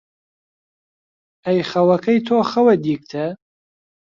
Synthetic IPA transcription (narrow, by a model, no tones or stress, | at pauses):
ɐjχɐwɐkʰɐjt̪ʰoːxɐwɐd̪iːk̚t̪ʰɐ